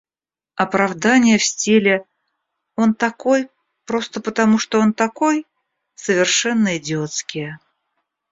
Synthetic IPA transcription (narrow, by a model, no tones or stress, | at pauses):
ɐpɾɐvd̪anʲɪjəfsʲtʲilʲɪ | o̞nt̪ɐko̞j | pɾo̞st̪əpət̪ɐmuʂt̪oo̞nt̪ɐko̞j | səvʲɪrʂɛnːəɪdʲɪot̪skʲɪjə